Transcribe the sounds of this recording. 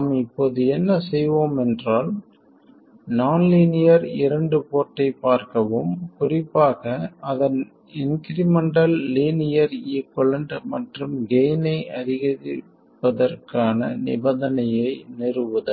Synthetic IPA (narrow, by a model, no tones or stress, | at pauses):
mɪpːoːðɯɛnːɐsɛjʋoːmɛndraːl | naːnliːnɪjɐɾɪɾɐɳɖɯpoːʈːɐɪpːaːɾkɐʋɯmkʊrɪpːaːɣɐɐðɐn | ɪnkɪɾɪmɐɳɖɐlːiːnɪjɐɾiːkːɔɭɐɳɖmɐʈrɯmɡeːnɐɪʔɐɾɪɣɐ | pːɐðɐrkaːnɐ̰nɪ̰bɐðɐnɐjɐɪnɪrɯʋɯðɯ